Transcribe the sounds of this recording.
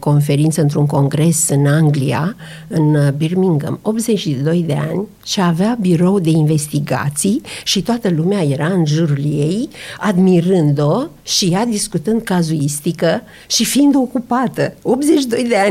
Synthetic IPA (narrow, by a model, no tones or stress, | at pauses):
ko̞nfe̞ɾint̪səɨnt̪ɾuŋko̞ŋɡɾe̞sɨnaŋɡlia̰ | ɨnbirmiŋɡə̰mo̞p̪ze̞t͡ʃid̪o̞jd̪e̞a̰nʲ | ʃeaveabiɾo̞wd̪e̞inve̞st̪iɡa̰t̪sijʃit̪oat̪əlumeaje̞ɾaɨnʒurliejad̪miɾɨnd̪o̞ | ʃijad̪iskut̪ɨnd̪̚kazuist̪ikə | ʃifiind̪o̞kupat̪əo̞p̪ze̞t͡ʃid̪o̞jd̪e̞a